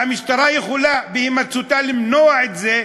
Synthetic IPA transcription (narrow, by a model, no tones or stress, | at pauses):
hamiʃt̪aɾajeχulabehimat͡sut̪alimnoaʕet̪ze